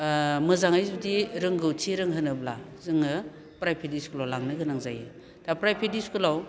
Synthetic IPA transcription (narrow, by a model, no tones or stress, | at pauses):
mɯzaŋajzudiɾɯŋɡɯwtʰiɾɯŋɦɯnɯblazɯŋɯ | pɾajpʰidiskulawlaŋnɯɡɯnaŋzajɯ | tapɾajpʰidiskɯlaw